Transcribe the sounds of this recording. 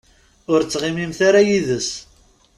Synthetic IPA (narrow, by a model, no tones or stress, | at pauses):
ʊɾt͡sːʁɪmimθaɾajiðəs